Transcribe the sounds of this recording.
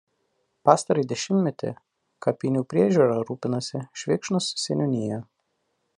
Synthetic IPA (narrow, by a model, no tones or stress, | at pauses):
pɑːst̪ɐɾɐɪd̪ʲɛʃʲɪmʲmʲɛt̪ʲɪ̰ | kɐpʲɪnʲuːpʲɾʲiɛʒʲuːɾɑɾuːpʲɪnɐsʲɪʃʲʋʲɪkʃnʊssʲɛnʲʊnʲɪjɛ